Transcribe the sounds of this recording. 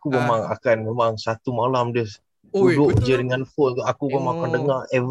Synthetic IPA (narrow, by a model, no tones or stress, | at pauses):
akumemaŋa̰kanmemaŋsat̪umalamdiəs | dudʊʔd͡ʒəɾiŋanfot̪ʔakumemaŋakandəŋarɛ